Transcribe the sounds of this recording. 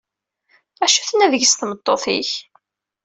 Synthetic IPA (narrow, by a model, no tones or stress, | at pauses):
æʃuθənæðəʝsθmət̪ˤːoθḭç